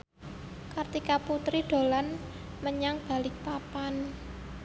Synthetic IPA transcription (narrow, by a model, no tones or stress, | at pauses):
kart̪ikaput̪ɾiɖ̪̥o̤lan | məɲaŋb̥a̤lɪk̚papan